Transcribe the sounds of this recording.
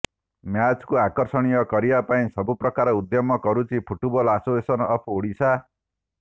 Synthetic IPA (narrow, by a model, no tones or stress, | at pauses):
mjat͡skuakɔɾsɔɽ̃ijʌkʌɾibapaĩsʌbupɾʌkaɾɔud̪jɔmːɔkɔɾut͡ʃʰipʰuʈubɔlasosesɔnɔpʰoɽisʰa